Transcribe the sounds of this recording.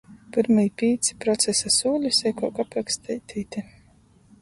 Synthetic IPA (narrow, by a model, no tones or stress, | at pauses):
piɾmɨjpʲiːt̪si̥pɾɔt̪sesasuːlʲisɛjkɔwkapɾakst̪ɛjt̪ʲʰiːt̪i